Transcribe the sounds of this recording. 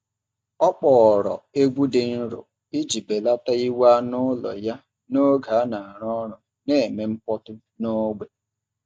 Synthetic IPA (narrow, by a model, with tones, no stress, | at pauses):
ɔ˦k͡pɔ˨ɾɔ̰˨e˦ɡ͡bʷu˦dɪ˨n̩˦ɾʊ̰˨ | i˦d͡ʒi˨be˨la˦ta˦i˦wa˦nʊ˦lɔ̰˨ja˦ | no˦ɡa˨˦na˨a˨ɾɔ˦ɾʊ˨ | ne˦e˨me˦m̩˦pɔ˦tʊ˦ | no˦ɡ͡be˨